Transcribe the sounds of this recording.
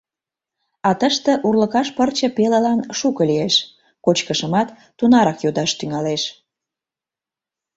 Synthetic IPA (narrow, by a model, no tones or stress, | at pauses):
ɑt̪əʃt̪ĕʔurləkɑʃpərt͡ɕə̆peləlɑnʃukəlieʃ | kot͡ɕkəʃəmɑt̪ːunɑɾɑkjod̪ɑʃt̪yŋɑleʃ